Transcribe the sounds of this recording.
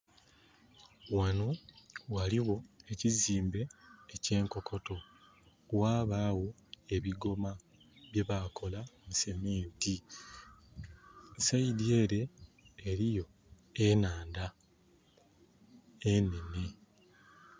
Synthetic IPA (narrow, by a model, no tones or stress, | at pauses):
wanowaliɣo̞eciziːmbe̞ːce̞ːŋko̞kʰo̞to̞ | waːβaːwo̞ | e̞βiɡo̞ma | βje̞βako̞lamuse̞meːnti | sajidje̞ːɾe̞ː | ɾijo̞ | enaːnda | ene̞ne̞